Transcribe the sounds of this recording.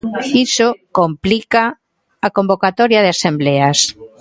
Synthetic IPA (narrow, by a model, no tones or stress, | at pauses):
xisokomplikaː | kombokat̪ɔɾjaðeasembleas